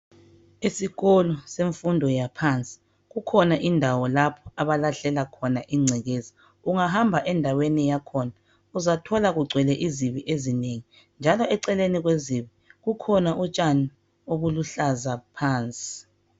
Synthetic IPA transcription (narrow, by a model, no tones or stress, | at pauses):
isiɣɔlɔseɱfundʱɔjapʰant͡sʼi̥ | ɣukʰɔnaʔindʱawɔlapʰɔ̥aβalaɬɛlakʰɔnaʔiŋ͡ǀʱɛɣezi | uŋaɦambʱaʔɛndʱawenijakʰɔna | uzatʰɔlaɣuɡ͡ǀʱwɛlɛʔiziβiʔezineŋi | nd͡ʒʱalɔɛǀɛleniɣweziβi | ɣukʰɔnaʔut͡ʃʼani | oβuluɬazapʰaːnt͡sʼi̥